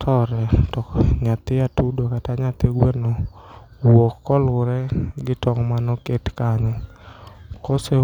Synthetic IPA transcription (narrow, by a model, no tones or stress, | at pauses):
tʰɔɾɛtɔkɲat̪ɪatudokataɲat̪eɡwenɔ | wokːɔlʊɾɛɡɪtɔŋmanɔketkaɲɔ | kɔse